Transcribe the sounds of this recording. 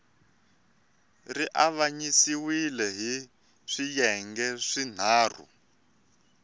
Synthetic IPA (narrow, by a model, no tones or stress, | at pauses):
riʔaβaɲisiwilɛɦi | ʂijɛŋɡɛʂin̤aːr̤ṵ